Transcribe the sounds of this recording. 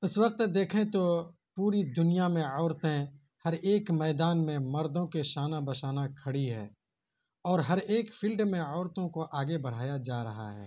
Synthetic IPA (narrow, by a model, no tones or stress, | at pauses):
ʊswəq̚t̪d̪eːkʰẽt̪o | puːɾid̪ʊnijamẽɔːɾt̪ẽ | hɐɾeːkmɛːd̪aːnmẽmɐɾd̪õkeʃaːnabɐʃaːnakʰɐɽiɦɛ̰ː | ɔːɾɦɐɾeːkfʰɪlɖmẽɔːɾt̪õkoʔaːɡebɐɽ̤aːjad͡ʒaːɾɐɦa̰ɦɛ̰ː